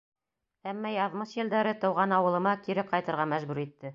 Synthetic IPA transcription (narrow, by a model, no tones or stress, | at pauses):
æmːæjɑðmɤʃjɘ̆ld̪æɾɘt̪ɤ̆wʁɑnɑwɤ̆lˠɤ̆mɑkiɾɘqɑjt̪ɤ̆ɾʁɑmæʒbʉɾit̪ːɘ